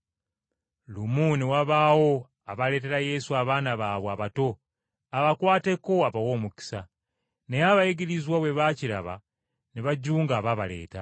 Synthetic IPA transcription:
lumuniwaβaːwo̞ | aβale̞ːte̞ɾaje̞suaβaːnaβaβwaβato̞ | aβakwaːte̞koaβawo̞ːmuki̥sa | nejaβajeɡiɾizwaβwe̞βaciɾa̰βa̰ | neβaɟuːŋɡaβaβa̰le̞̰ːta

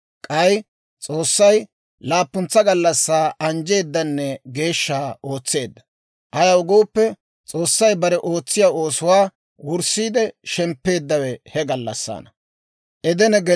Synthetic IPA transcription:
kʼɐj | t͡sʼo̞ːsːɐj | laːpːʊnt͡sːɐɡɐlːɐsːaːʔɐnd͡ʒe̞ːd̪ːɐnːɛɡe̞ːʃːaːo̞ːt͡sːe̞ːd̪ːɐ̥ | ʔɐjɐwʊɡoːpːɛ | t͡sʼo̞ːsːɐjbɐɾɛʔo̞ːt͡sːɪjaːo̞ːsʊwaː | wʊɾsːiːd̪ɛʃɛmpːe̞ːd̪ːɐwɛhɛɡɐlːɐ̰sːa̰ːnɐ | ʔɛd̪ɛnɛɡɛ

